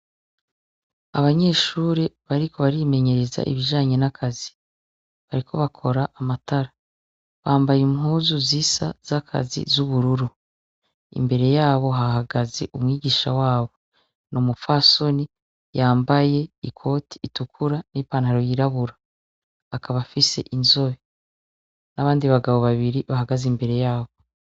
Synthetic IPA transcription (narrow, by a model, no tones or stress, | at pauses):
aβaɲe̞ːʃuːɾeβaɾiko̞βaɾime̞ɲe̞ɾe̞za̰ʔḭβiʒaːɲe̞nakʰazi̥ | βaɾikʰo̞βakʰo̞ɾaʔamataɾa | βaːmbajimhuːzuzisa̰z̥akʰa̰zḭzuβuɾuɾu | ḭmbe̞ɾe̞jaːβo̞ɦahaɡaze̞̰ʔumŋiːɟiːʃawaːβo̞ | nomufaso̞ni | jaːmbaje̞ikʰo̞tʰi̥ːtukʰuɾanipaːnhaɾojiɾaβuɾaː | kʰaβafise̞̰ʔinzo̞βe | naβaːndiβaɡaβo̞βaβiɾiβaɦaɡazimbe̞ɾe̞jaːβo̞